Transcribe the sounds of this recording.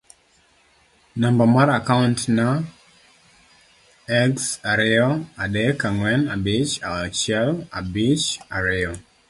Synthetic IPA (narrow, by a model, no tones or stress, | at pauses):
nambamaɾakawntna | ɛksaɾɪɔadɛkaŋwɛnabɪt͡ʃat͡ʃɛlabit͡ʃaɾɪɔ